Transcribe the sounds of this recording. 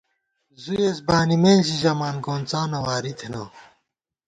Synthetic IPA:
zujesbaːnimeːnɕiʑɐmaːnkoːnt͡saːnɐwaːɾit̪ʰenɐ

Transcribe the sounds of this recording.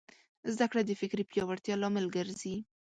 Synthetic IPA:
zd̪akɽad̪əfɪkɾipjɑwaɾt̪jɑlɑmɪlɡəɾzi

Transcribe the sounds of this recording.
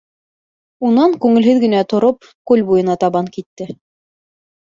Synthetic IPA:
unɑŋkʉŋɘ̆lɦɘðɡɘ̆næt̪ŏɾop̚ | kʉlʲbujɤ̆nɑt̪ɑβɑŋkit̪ːɘ

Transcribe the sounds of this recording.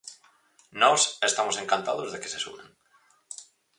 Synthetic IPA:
nɔsest̪amʊseŋkant̪a̰ðʊzðeke̥sesṵβḛŋ

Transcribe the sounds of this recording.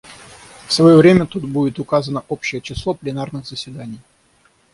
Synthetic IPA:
fsvɐjovɾʲemʲət̪ut̪̚budʲɪt̪ʊkazənəʔopɕːɪjət͡ɕɪslˠo̞plʲɪnarnɨɣz̥əsʲvʲɪd̪anʲɪj

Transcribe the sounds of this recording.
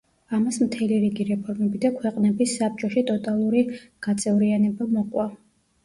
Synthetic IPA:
amasmt̪ʰɛliɾiɡiɾɛpʰɔɾmɛbid̪akʰwɛqʼnɛbisːap̚t͡ʃʼɔʃit̪ʼɔt̪ʼalˠuɾiɡ̥at̪sʼɛvɾianɛbamɔqʼwa

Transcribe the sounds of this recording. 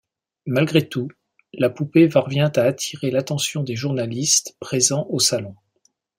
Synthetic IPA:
malɡʁet̪u | lapupevaʁvjɛ̃t̪aːt̪ʰiʁelat̪ɑ̃sjɔ̃d̪eʒuʁnalist̪pχezɑ̃ʔosalɔ̃

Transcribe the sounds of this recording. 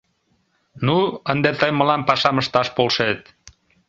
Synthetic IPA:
nuənd̪et̪əjmə̆lɑnpɑʃɑməʃt̪ɑʃpolʃet̪

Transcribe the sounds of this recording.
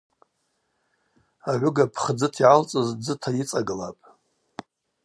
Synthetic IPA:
aʕʷʊɡapʰχd͡zɨtʰiʕalt͡sʼɨzd͡zɨtʰajit͡sʼaɡɨlapʼ

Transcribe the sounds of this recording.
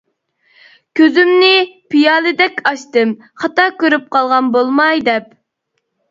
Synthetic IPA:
kʲʰøzymnɪpʰijɑːlˠɨd̪ɛkʲɑʃt̪ɨm | χɑt̪ɑkʲøɾyp̚qʰɑlˠʁɑnbolˠmɑjd̪ɛp

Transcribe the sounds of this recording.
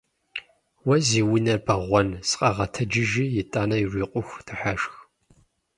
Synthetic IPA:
wɐziːwʊnɐrbɐʁʷɔnsqʼɐʁɐtʰɐd͡ʒɪʒijɪtʼaːnɐjirʷiːqʷʼʊxʷtʰɨħaʒx

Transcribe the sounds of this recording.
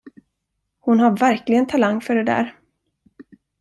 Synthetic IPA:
hʊnhaɾvæɾklɪɡənt̪ʰalaŋːfœɖɛd̪æ̰ːɾ

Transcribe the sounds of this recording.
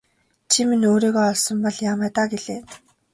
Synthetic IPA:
t͡ɕʰiminoːɾiːɣɔːɔɮsɞ̆mpɔɮjaːmæːt̪aːɡeɮeː

